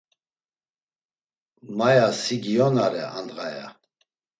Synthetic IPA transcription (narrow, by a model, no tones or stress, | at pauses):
majasiɡiɔnaɾɛand̪ɣaja̰